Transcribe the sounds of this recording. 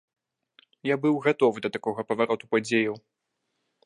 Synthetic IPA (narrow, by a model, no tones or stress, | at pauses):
jabɨwɣat̪ɔvɨd̪ɐt̪akɔɣɐpɐvaɾɔt̪upad͡zʲejɐw